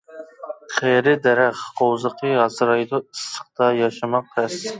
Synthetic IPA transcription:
qʰeɾɪd̪æɾæχʰowzəqʰəɦɑsɨɾɑjd̪uisə̥q̚t̪ɑjɑʃɑmɑq̚ʰɛs

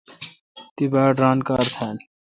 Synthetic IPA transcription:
t̪ibaːɖɾaːnkaːɾt̪ʰan

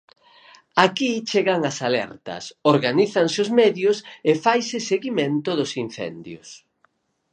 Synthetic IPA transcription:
akit͡ʃeɣaŋɐsalɛ̰ɾt̪ɐ̰soɾɣaniθɐŋseozmɛðjʊsefajsɪseɣimẽnt̪ʊðʊsin̟θɛ̰nd̪jʊ̰s

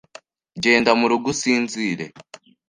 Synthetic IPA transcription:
ɟe̞ːndamuɾuɡusiːnziːɾḛ

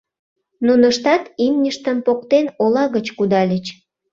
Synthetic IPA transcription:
nunəʃt̪ɑt̪imnʲəʃt̪əmpokt̪enolɑɣət͡ɕkud̪ɑlʲət͡ɕ

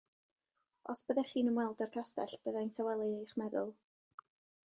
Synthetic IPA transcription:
ɔ̰sb̥əðɛχiːnəmwɛlˠdərkʰastɛɬb̥əðajnθawɛlˠɨejχmɛðʊlˠ

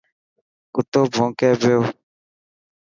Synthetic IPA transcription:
kut̪obɔ̃ŋ̩kɛbeo

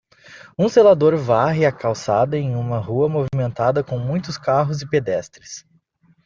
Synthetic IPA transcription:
ũselad̪oɾvaɦɪakawsad̪ɐẽj̃ũmɐɦuɐmovimẽnt̪ad̪ɐkõw̃mũj̃t̪ʊskaɦʊzɪped̪ɛst̪ɾɪs

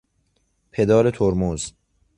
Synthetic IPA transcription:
pʰed̪ɒːɾet̪ʰoɾmoz

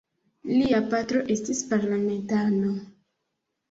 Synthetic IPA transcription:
liapatɾo̞ʔe̞stispaɾlame̞ntano̞

